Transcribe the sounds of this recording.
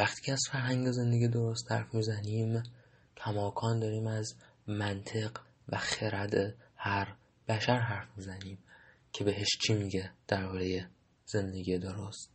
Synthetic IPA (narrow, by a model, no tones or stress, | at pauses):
væxt̪ʰiːcʰeæzfæɾɦæŋɟe̞ze̞nd̪eɡiːd̪o̞ɾo̞st̪hæ̰ɾfmiːzæniːm | t̪ʰæmɒːkʰɒːnd̪ɒːɾiːmæz | mænt̪ʰe̞ɢ | væxeɾæd̪ehæɾ | b̥æʃæɾɦæɾfmizæniːm | cʰe̞be̞ɦe̞ʃt͡ʃʰimiːɟed̪̥æɾbɒːɾe̞je̞ | z̥e̞nd̪e̞ɟiːed̪oɾost̪